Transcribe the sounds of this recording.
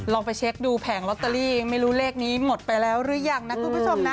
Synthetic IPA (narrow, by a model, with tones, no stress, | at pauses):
lɔː˧ŋpa˧jt͡ɕʰe˦˥k̚duː˧pʰɛː˩˦ŋlɔ˦˥t̪ːa˧liː˥˩˧ŋma˥˩jɾuː˦˥leː˥˩k̚niː˦˥mo˨˩t̪̚pa˧jlɛː˦˥wɾɯ˦˥jaː˧˩ŋna˦˥kʰu˨˧npʰu˦˥t͡ɕʰo˧mna˦˥